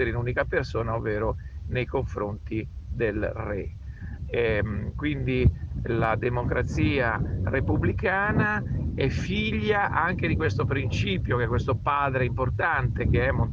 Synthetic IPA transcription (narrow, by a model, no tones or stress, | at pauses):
eɾeinuːnikapersoːnaovːeːɾonejkoɱfɾont̪id̪elrɛ | ɛkwind̪ilad̪emokɾʔat̪siːarepublikaːnaɛfiʎːaʔaŋk̟ed̪ikwest̪opɾint͡ʃiːpjok̟ɛkːwest̪opaːd̪ɾeimport̪ant̪ek̟eɛmːol